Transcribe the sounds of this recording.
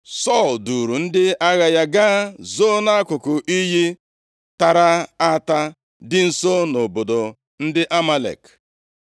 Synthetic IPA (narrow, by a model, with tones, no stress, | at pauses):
sɔ˦˨ldu˨ɾu˨n̩˦dɪ˦a˦ɣa˨ja˦ɡaː˦zo˦na˦a˦kʷʊ˨kʊ˨ʔi˦ɦi˦ | ta˨ɾa˦a˦ta˦ | dɪ˦n̩˨so˦no˨bo˨do˨ | n̩˦dɪ˦ʔa˦ma˦lḛ˨k